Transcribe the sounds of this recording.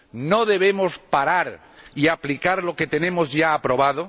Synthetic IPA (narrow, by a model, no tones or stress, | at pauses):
noðe̞β̞emospaɾaɾ | iaplikaɾlo̞ket̪e̞nẽ̞mozʝaːpɾo̞βað̞o